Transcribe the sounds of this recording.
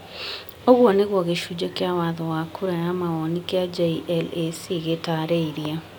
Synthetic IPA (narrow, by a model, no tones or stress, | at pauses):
oɣwɔneɣwɔɣeʃud͡ʒɔkjawaðɔwakʰuɾajamaɔnikjad͡ʒeiʔɛlesiɣetaɾeiɾia